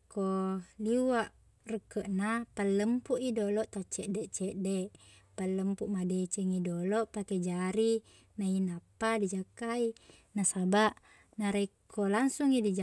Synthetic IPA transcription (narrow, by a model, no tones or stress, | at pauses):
koliwaʔ | rəkəʔnapaləmpuʔidolɔʔt̪at͡ʃɛʔdɛʔt͡ʃɛʔdɛʔ | pəlːəmpuʔmadet͡ʃɛŋidolɔʔpaked͡ʒaɾi | nainapadid͡ʒakainasabaʔ | naɾeikʰolaŋsuŋidid͡ʒ